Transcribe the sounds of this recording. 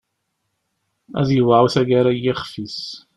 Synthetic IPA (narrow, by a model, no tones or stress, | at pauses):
æ̰ðjəwaʕwθæɡaɾajiχfis